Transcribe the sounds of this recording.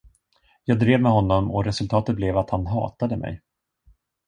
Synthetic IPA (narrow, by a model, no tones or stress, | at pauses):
jɑːɡ̚d̪ɾeːvmɛɦɔnːɔmɔɾɛsɵlt̪ʰɑːt̪ət̪̚blɛvat̪hanɦɑ̰ːt̪ad̪əmʔɛ̰j